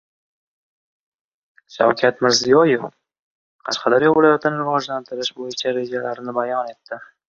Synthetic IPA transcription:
ʃa̰wkʲʰat̪mɪɾzijɒjef | qʰɑʃqʰɑd̪aɾjɒvɪlajat̪ʰɪnɪɾɾʊwɒʒlant̪ʰɪɾɪʃbojɪt͡ʃʰaɾe̞d͡ʒalaɾnɪbajɒne̞t̪ːɪ

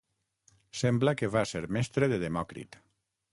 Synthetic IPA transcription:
sɛmbləkeβaseɾmɛst̪ɾeðeðemɔkɾḭt̪

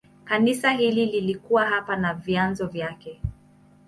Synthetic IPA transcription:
kanisaɦilililikuwaɦapanavjanzɔvjakɛ

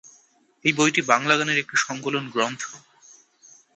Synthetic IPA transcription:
ejbojʈibaŋlaɡaneɾek̚ʈiʃɔŋkolonɡɾont̪ʰo

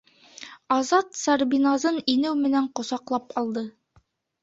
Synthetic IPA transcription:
ɑzɑt̪sɑɾbinɑzɤninɘwmɘ̆næɴqŏsɑqlˠɑpɑlˠd̪ɤ

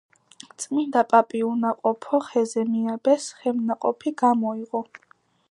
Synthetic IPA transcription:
t̪sʼmind̪apʼapʼiunaqʼɔpʰɔχɛzɛmiabɛsχɛmnaqʼɔpʰiɡ̥amɔiʁɔ

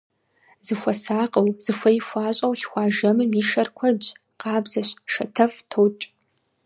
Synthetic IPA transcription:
zɨxʷɔsaːqʼɐwz̥ɨfʷɐjifʷaːɕʼɐwxxʷɑːʒɐmɨmiːʃɐrkʷʰɐd͡ʒ | qɑːbzɐɕʃɐtʰɐftʰowt͡ʃʼ

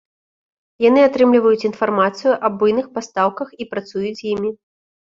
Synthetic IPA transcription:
jan̪ɨat̪ɾɨmlʲivɐjut͡sʲin̪farmat̪sɨjuʔɐbujnɨxpast̪awkɐxipɾat̪sujut͡sʲjimʲi

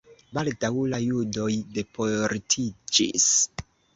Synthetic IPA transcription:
baldawlajudo̞jde̞poɾtʰid͡ʒḭs

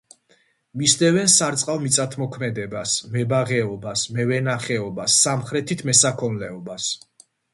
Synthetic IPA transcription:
misd̪ɛvɛnsaɾt̪sʼqʼavmit̪sʼat̪ʰmɔkʰmɛd̪ɛbasmɛbaʁɛɔbasmɛvɛnaχɛɔbasːamχɾɛt̪ʰit̪ʰmɛsakʰɔnlɛɔbas

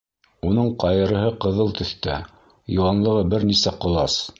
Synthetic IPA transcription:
unɤɴqɑjɤ̆ɾɤ̆ɦɤqɤ̆ðɤlˠt̪ɵ̆θt̪æ | jŏwɑnlˠɤ̆ʁɤbɘɾnisæqŏlˠɑs

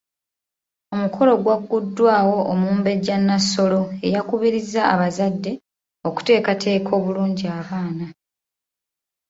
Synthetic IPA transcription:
o̞mukʰo̞lo̞ɡwaɡːudːwaːwo̞ʔːmuːmbe̞ɟanːaso̞lo̞e̞jakuβiɾizːaːβazadːe̞ | o̞ku̥te̞ːkatʰe̞ːkʰo̞ːβuluːɲɟiaβaːna

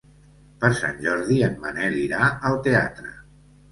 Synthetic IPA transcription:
pəɾsa̰nʲʒɔɾðiənməneɛliɾaəlˠt̪ea̰t̪ɾə̰

